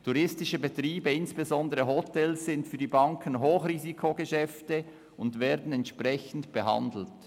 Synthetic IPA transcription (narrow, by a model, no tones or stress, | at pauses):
tʰuʁɪstɪʃəbetʁiːbəɪnsb̥ezɔndəʁəɦotʰɛlsz̥ɪntfyːɐdibɑŋkʰən̩ɦoːxriːzikʰoɡəʃɛftə | ʊndveːɐdn̩ɛntʃpʁɛçn̩tb̥əɦɑ̰ndl̩t